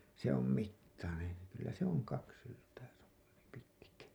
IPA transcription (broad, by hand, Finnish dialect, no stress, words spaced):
se om mitːɑnen̞ kylːæ se oŋ kɑks syltæː pitkæ